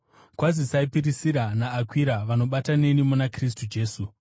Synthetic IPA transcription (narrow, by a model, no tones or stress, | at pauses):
kwazisaipirisiɾanaːkwiɾaʋano̞ɓatane̞nimunakris̬tud͡ʒe̞ːsu